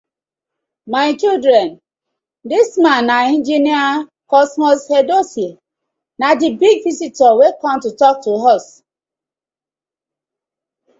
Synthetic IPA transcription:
maɪt͡ʃildɾɛ̃n | dismãnːaĩnd͡ʒiniakɔsmɔshedosie | nadibiɡvisitɔwekɔ̃mtutɔk̚tuɦɔs

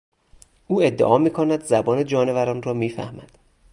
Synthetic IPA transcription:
ʔuːe̞d̪ːḛʔɒːmiːkʰonæd̪zæbɒːned͡ʒɒːnevæɾɒːnrɒːmiːfæ̰hmæd̪̥

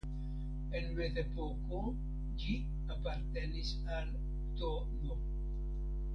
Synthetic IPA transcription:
enweðepoko | d͡ʒi | apaɾt̪enis | al | t̪o | no

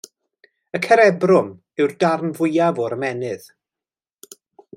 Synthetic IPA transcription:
əkʰɛɾɛbrʊm | ɨwrdarnvʊjavɔɾəmɛnɨð̥

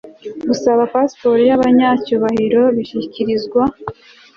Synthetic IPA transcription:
ɡusaβapaspo̞ɾijaβaɲacuːβahiɾo̞βiçiciɾizɡwa

